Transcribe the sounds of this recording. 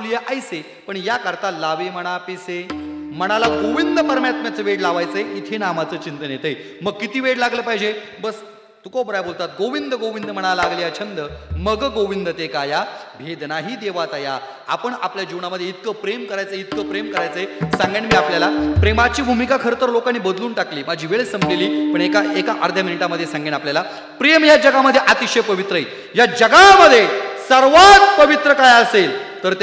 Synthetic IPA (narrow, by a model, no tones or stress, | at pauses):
lijaʔajse | pəɳjakəɾt̪alaʋiməɽ̃apisem̤əɽ̃alaɡoʋind̪əməɾmjat̪mjat͡səʋeɽlaʋajt͡səeʔit̪ʰenamat͡səːt͡ɕint̪ənjet̪əj | məɡkːit̪iːʋeʈlaɡləːpaid͡ʑe | bəs | t̪ukobɾajbolt̪at̪ɡoʋind̪əɡoʋind̪əm̤əɽ̃alaɡlijat͡ɕʰənd̪əməɡɡoʋind̪ət̪ekaja | bʱed̪naɦiːd̪eʋat͡saja | a̰pəɳapljad͡ʑiʋɳaməd̪ʱːjeit̪̚kəpɾemkəɾajt͡səit̪̚kəpɾemkəɾajt͡səɦesãŋɡeɳmiːapljalapɾemat͡ɕiːbʱumikakʰəɾt̪əɾlokañiːbəd̪luːnʈakliːmad͡ʑʱiːʋeɭesəmbleliːpəɳekaʔekaʔaəɾd̪ʱjaminiʈaməd̪ʱjesãŋɡienapljala | pɾejəmjad͡ʑəɡaməd̪ʱjeʔat̪iɕəjpəʋit̪ɾəɦit̪ | jad͡ʑəɡaməd̪ʱːjesəɾʋat̪̚pəʋit̪ɾəkajəselt̪əɾt̪